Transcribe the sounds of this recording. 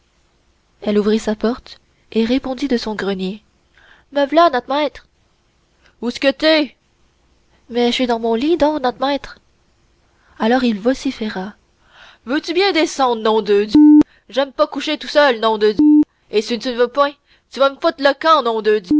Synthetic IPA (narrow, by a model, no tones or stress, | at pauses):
ɛluvʁisapɔʁt̪ | eʁepɔ̃d̪id̪əsɔ̃ɡʁənje | mɛvlanɔt̪mɛːt̪χ | usə̥kət̪yɛ | mɛʃɛd̪ɑ̃mɔ̃lid̪ɔ̃knɔt̪mɛːt̪χ | alɔʁilvɔsifɛʁa | vøt̪ybjɛ̃d̪esɑ̃d̪nɔ̃d̪əd̪jø | ʒɛmpakuʃet̪usœlnɔ̃d̪əd̪ø | esit̪ynvøpwɛ̃ | t̪yvaməfot̪ləkɑ̃nɔ̃d̪əd̪ø